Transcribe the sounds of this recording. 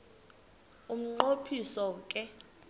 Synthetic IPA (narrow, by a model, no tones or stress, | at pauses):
um̩ǃopʰisɔkʼɛ